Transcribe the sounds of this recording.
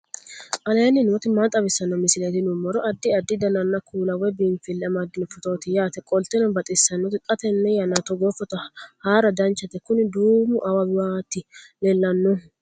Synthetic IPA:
ʔɐlɛnːɪnʊɔt̪ɪmaːt̪ʼːɐβɪsːɐnːɐmɪsɪlet̪ɪnʊmːɔɾɔʔɐd̪ːɪɐd̪ːɪd̪ɐnɐnːɐkʰuːlɐwɛbiːnfɪlːɛmɐd̪ːɪnɔfɔt̪ot̪ɪjaːt̪ɛkʼɔlt̪ɛnɔbɐt̪ʼɪsːɐnːɔt̪ɪkʼɐt̪ɛnːɛjɐnat̪ɔɡɔfɔt̪ɐhaːɾɐd̪ɐnt͡ʃːɐt̪ɛkʊnɪd̪uːmʊʔɐwɐbɪwat̪ːɪlɛlːɐnːɔ

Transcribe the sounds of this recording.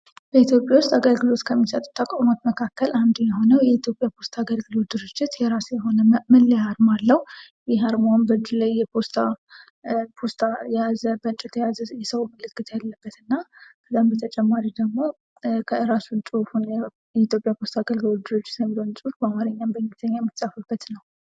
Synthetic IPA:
b̥əit̪jo̞pʼjawust̪ʼaɡəlɡɨlo̞t̪kʰəmːisət̪ʼu̥t̪ʰːakʼomat̪məkʰakːəlʔand̪ujɛɦo̞nəwjɛit̪ʰjo̞pʼjapʰo̞st̪ʰaɡəlɡɨlo̞t̪̚d̪ɨɾɨd͡ʒːɪt̪jɛɾasjɛɦo̞nəmɨlːhaɾmalːəh | jɛɦaɾmanbəd͡ʒulajːɛpʰo̞st̪ʰa | pʰo̞st̪ʰajɛjazəbəɨnt͡ʃʼɛt̪ʰɛjazəjɛsəwməlɨkʼːɨt̪jalːəbːət̪ɨnːakʰət̪ʼambət̪ʰət͡ʃʼɛmːaɾid̪əɡmo̞ | kʰəɨɾasunsʼufunɛ | jɛit̪jo̞pʼjapʰo̞st̪ʰaɡəlɡɨlo̞d̪ɨɾɨd͡ʒːɪt̪jəmilonsʼufbamaɾəɲːambəɲːt̪ʰəɲːajɛmːɨt̪sʼafɨbːət̪nəw

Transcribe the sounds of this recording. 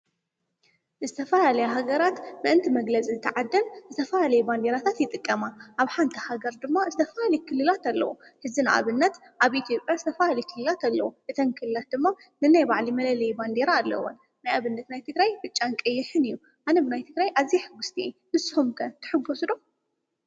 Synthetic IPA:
zɨt̪ʰɐfɐlalɐjuɦaɡɐɾat̪nɨʔɨnt̪ʰimɐɡlɐt͡sʼizɨt̪ʰɐʕad̪ːɐnzɨt̪ʰɐfɐlalɐjuband̪e̞ɾat̪ʰat̪jɪt̪ʼɨkʼːɐmaʔaβħant̪ʰihaɡɐɾd̪ɨmːazɨt̪ʰɐfɐlalijkʰɨlːɨlat̪ɐlːɐ̰wuħɨzina̰ʔa̰βɨnːɐt̪ | ʔaβʔit̪ʰijo̞pʼjazɨt̪ʰɐfɐlalijkʰɨlːɨlat̪alːɐ̰wuʔɨt̪ʰɐnkʰɨlɨlat̪̚d̪ɨmːa | nɨnajbaʕlimɐlɐlɐjband̪eɾaːlːɐ̰wo̰n | najaβɨnːɐt̪najt̪ʰɨɡɾajbɨt͡ʃʼːankʼɐjːɪħɨnɨjːu | ʔanɐbɨnajt̪ʰɨɡɾajʔaβziħɨɡːust̪ʰihɨsɨhumkʰɐt̪ʰɨ̥ħɨɡːosd̪o

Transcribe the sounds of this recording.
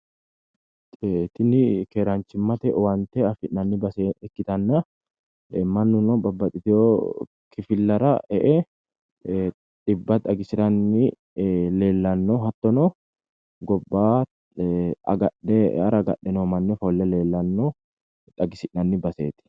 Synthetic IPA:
t̪ɪnɪkeɾant͡ʃːɪmːɐt̪ɛwɐnt̪ɛɐfɪʔnɐnːɪbɐseɛkːɪt̪ɐnːɐ | mɐnːʊnɔbɐbːɐt̪ʼɪt̪ɪjo | kʰɪfɪlːɐɾɐɛʔɛ | ᶑ̪ʼɪbːɐt̪ɐɡɪsɪt̪ɐnːɪ | le̞ːlːɐnːoɦɐt̪ːɔno | ɡɔbːaː | ɐ̰ɡɐɛɐ̰ɾɐɡɐ̰ɗɛnoːmɐnːɛfolːɛleːlːɐnːo | t̪ʼɐɡɪsɪʔnɐnːɪbɐsḛːt̪ɪ̥

